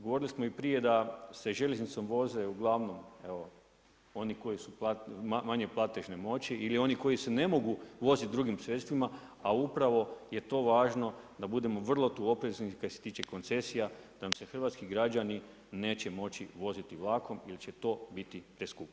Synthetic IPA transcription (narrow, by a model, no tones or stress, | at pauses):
ɡoʋo̞ɾilismoipɾije̞d̪ase̞ʒelʎʲeznit̪so̞mʋo̞ze̞uɡlˠaʋno̞me̞ʋo̞ | o̞niko̞jisuplatamaɲeplˠat̪eʒnemo̞t͡ɕiʔilio̞niko̞isene̞mo̞ɡuʋo̞zit̪̚d̪ɾuɡimsɾe̞t̪st̪ʋima | aupɾaʋo̞je̞t̪o̞ːʋaːʒno̞ | d̪abud̪e̞mo̞ʋr̩lˠo̞t̪uo̞pɾe̞znikaset̪iːt͡ʃe̞ko̞nt̪se̞sijad̪anamse̞xr̩ʋat̪skiɡɾad͡ʒani | ne̞ːt͡ɕe̞mo̞t͡ʃiʋo̞zit̪iʋlˠako̞milit͡ʃe̞t̪o̞ːbit̪ipɾeskup